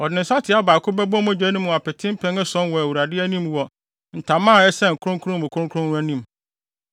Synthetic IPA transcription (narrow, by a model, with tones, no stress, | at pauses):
ɔ˨dnɪ̃˨sa˦tʰɪ˨˦a˦baː˨kʰʊ˦bɛ˦bɔ̃˦m˦ɛ̃˦d͡ʑᶣɛ˨˦nĩ˦mʊ̃˨a˨pʰɛ˨tʰɪ̃˦m˦pʰɛ̃˦ŋɛ˦sɔ̃˦nwɔ˨æ˨wu˨ɾa˨dɪ˦æ˦nĩ˦m˨wɔ˨ | n̩˨tʰã˨mãː˦˨ɛ˦sɛ˦ŋ̩˨kʰʊ˦ɾʊ̃˦ŋkʰɾʊ̃˦m˦˨ʊ̃˨kʰɾʊ̃˦ŋkʰʊ˦ɾʊ̃˦nwæ˦nĩ˦m